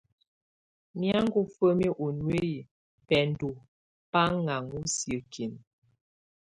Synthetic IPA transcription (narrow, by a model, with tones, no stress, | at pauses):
mja˦ŋ̩˦ɡu˦fə˦mi˦ʔo˨nwe˦ji˨ | pɛ˨n̩˦du˨ | pa˦ŋa˨ŋu˦sjə˨kʰi˨n